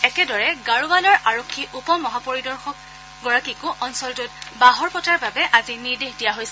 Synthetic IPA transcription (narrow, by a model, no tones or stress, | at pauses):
ɛkɛdɔɹɛɡaɹubalɔɹʔaɹokʰːiʔupɔmɔɦapɔɹidɔɹxɔk̚ | ɡɔɹakikʊʔɔnsɔltʊtbaɦɔɹpɔtʰaɹbabɛʔaziniɹdexdijaɦojsɛ